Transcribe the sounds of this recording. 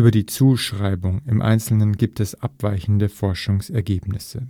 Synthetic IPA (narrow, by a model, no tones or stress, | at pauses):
ʔyːbɐdiːt͡suːʃʁ̥aɪbʊŋɪmʔa̰ɪnt͡sl̩nənɡiːp̚tɛsʔapv̥aɪçn̩dəfɔɐʃʊŋsɛɐɡeːpnɪsə